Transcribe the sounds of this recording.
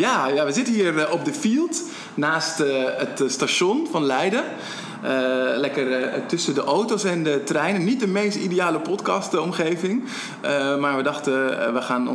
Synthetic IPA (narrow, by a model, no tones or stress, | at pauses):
jaːjaʋəzɪtənɦiːrɔp̚dəfilˠt | naːstətstaʃɔnfɑnlɛjdər | əlɛkərtɵsədəʔowtosɛndətrɛjnənːit̚dəmejstidijaːləpɔtkɑstɔmχejvɪŋ | əmaːɹʋədɑχtəʋəχaːn̰